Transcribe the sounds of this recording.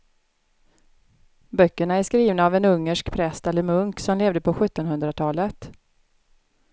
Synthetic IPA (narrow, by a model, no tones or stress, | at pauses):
bœkːəɳaæʂkɾiːvnaːvɛnɵŋːəʂkpʰɾɛst̪ɛlːəɾmɵŋksɔmleːvd̪əpʰɔɧɵt̪ːɔnɦɵnd̪ɾat̪ʰɑːlət̪